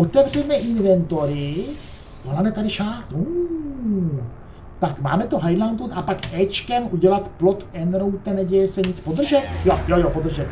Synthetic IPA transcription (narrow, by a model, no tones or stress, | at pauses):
ʔot̪ɛvrɛmɛʔɪnvɛnt̪o̞ɾɪ | volanɛt̪adɪʃaɾt̪u | t̪akma̰ːmɛt̪oɦajdlant̪ut̪apakʔɛt͡ʃkɛmʔuɟɛlat̪plot̪ɛnɾowt̪ɛnɛɟɛjɛsɛɲɪt͡spod̪r̩ʒɛt̪jojojopod̪r̩ʒɛt̪